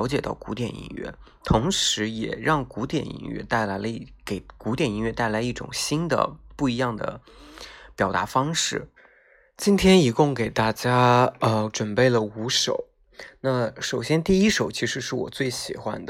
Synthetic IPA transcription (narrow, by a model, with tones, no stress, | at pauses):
ʊt͡ɕjɛ˨˩t̪ɑ˥˩ʊku˧˥t̪jɛ˨˩nḭ˧˥nɥɛ̰˥˩ | t̪ʰʊ˧˥ŋʂɻ̩˧˥jɛ˨˩ɻɑ˥˩ŋku˧˥t̪jɛ̰˨˩nḭ˧˥nɥɛ̰˥˧t̪a˥˩ɪla˧˥ɪlə˧i˥˩ke˨˩ɪku˧˥t̪jɛ˨˩ni˧˥nɥɛ˥˧t̪a˥˩ɪla˧˥ɪi˥˩ʈ͡ʂʊ̰˨˩ŋɕi˥nd̪ə̰˨pu˥˩i˧˥jɑ˥˩ŋd̪ə̰˩ | pjɑ˨˩ʊt̪a̰˧˥fɑ˥ŋʂɻ̩˥˩ | t͡ɕi˥nt̪ʰjɛ˥ni˧˥kʊ˥˩ŋke˨˩ɪt̪a˥˩t͡ɕja˥ə˧ʈ͡ʂwə˨˩npe˥˩ɪlə˩u˧˥ʂo˨˩˦ʊ | na˥˩ʂo˨˩ʊɕjɛ˥nt̪i˥˩i˥ʂo˨˩˦ʊt͡ɕʰi˧˥ʂɻ̩˧˥ʂɻ̩˥˩wɔ̰˨˩t͡swe˥˩ɪɕi˨˩xwa̰˧˥nd̪ə˨